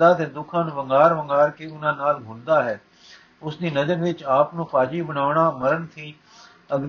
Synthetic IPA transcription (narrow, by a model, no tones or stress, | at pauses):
d̪aːt̪eːd̪ʊkʰãːnũːʋəŋɡaːɾʋəŋɡaːɾkeːʊnãːnaːlbʱʊld̪aːɦɛː | ʊsd̪iːnəd̪eːʋɪt͡ʃaːpnũːpaːd͡ʒiːbəɽaːʊɳaːməɾənt̪ʰiː | əɡ